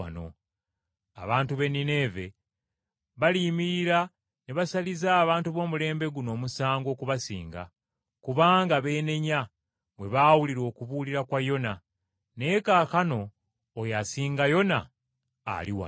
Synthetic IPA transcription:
a̰no̰ | a̰βaːntuβe̞nine̞ːve̞ | βalimiɾiɾa | neβasalizaːβaːntuβo̞ːmule̞ːmbe̞ɡuno̞ːmusaːŋɡo̞ːkuβasḭːŋɡa̰ | kuβaːŋɡaβe̞ːne̞ɲa | βwe̞βaːwuliɾo̞ːkuβuliɾakwajo̞na | ne̞ːkaːkano̞ː | jasiːŋɡajo̞na̰ː | liwa̰

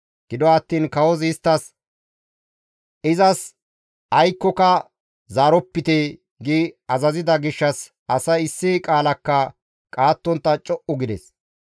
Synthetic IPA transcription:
ɡ̥ɪd̪ɔɐt̪ːiːnkɐwɔzɪst̪ːɐs | ɪzɐs | ɐjkːɔkɐ | zaːɾɔpːɪt̪e | ɡiɐzɐzɪd̪ɐɡɪʃːɐs | ɐsɐjɪsːɪkʼaːlɐkːɐ | kʼaːt̪ːɔnt̪ːɐt͡ʃʼɔʔʊɡɪd̪ɛ̰s

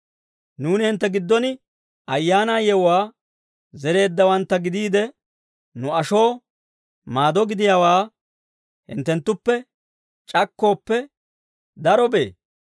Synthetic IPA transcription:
nuːnɪhɪnt̪ːɛɡɪd̪ːɔnɪ | ʔɐjːaːnaːjɛwaː | zɛɾe̞ːd̪ːɐwɐnt̪ːɐɡɪd̪iːd̪ɛ | nʊɐʃo̞ː | maːd̪ɔɡɪd̪ɪjawaː | hɪ̰nt̪ːɛnt̪ːʊpːɛ | t͡ʃʼɐkːo̞ːpːɛ | d̪ɐɾɔbe̞̰ː

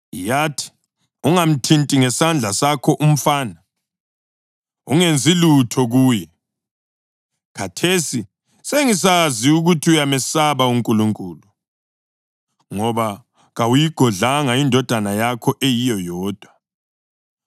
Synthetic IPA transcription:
jatʰi̥ | uŋam̩tʰintʼiŋɛsand͡ɮʱasakʰɔʔum̩faːna | uŋend͡zʱilutʰɔɣuːjɛ | ɣʰatʰesi | seŋis̬aziuɣutʰiujamɛsaβauŋkʼuluŋkʼuːlu | ŋɔβa | ɣawujiɡ̥ʱɔɮaŋaindʱɔd̥ʱanajakʰɔʔejijɔjɔːd̥ʱwa

